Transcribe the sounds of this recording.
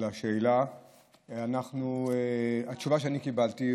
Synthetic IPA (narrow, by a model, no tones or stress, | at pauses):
laʃeːla | anaχnueat̪t͡ʃuvaʃeanikibalt̪i